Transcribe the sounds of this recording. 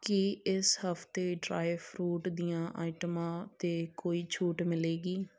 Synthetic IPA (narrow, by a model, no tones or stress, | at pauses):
kɪɪshəpʰt̪eːɖɾa̰ːjpʰɾuːʈd̪ijãːʔaːɪʈəmãːt̪eːkoːiːt͡ʃʰuːʈmɪleːɡiː